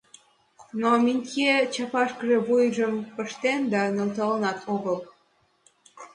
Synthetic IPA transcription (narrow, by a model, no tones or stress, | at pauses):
nominʲkʲet͡ɕɑpɑʃkəʒe̽βujʒəmpəʃt̪end̪ɑnelt̪ɑlənɑt̪ʰoɣəl